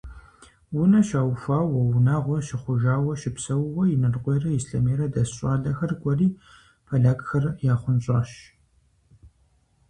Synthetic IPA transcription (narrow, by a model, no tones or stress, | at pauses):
wʊnɐʃaːwfaːwɔwʊnaːʁʷɔʃɪχʷʊʒaːwɐʃɪpsɐwʁʷɔjɪnɨrqʷeːrɐɪsɬɐmeːɾɐdɐsɕʼa̰ːɮɐxɐrkʷʼɔriː | pʰɐɮaːkxɐrjaːχʷʊnɕʼa̰ːʃ